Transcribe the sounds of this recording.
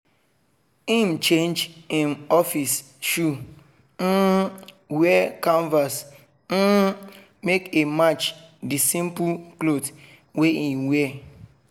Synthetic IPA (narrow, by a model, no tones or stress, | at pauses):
im̩t͡ʃẽnd͡ʒĩnɔfis | ʃu | n̩ | wɛkɔ̃ɱvas | n̩ | mekemat͡ʃ | disĩmpuklod | weiwɛ